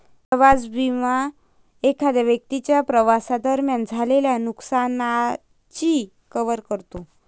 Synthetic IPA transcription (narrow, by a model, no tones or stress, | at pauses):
pɾəʋad͡zbima | ekʰad̪aʋjək̚t̪it͡ɕjapɾəʋasad̪əɾmjand͡zʱaleljanuksana | t͡ɕi | kəʋəɾkəɾt̪o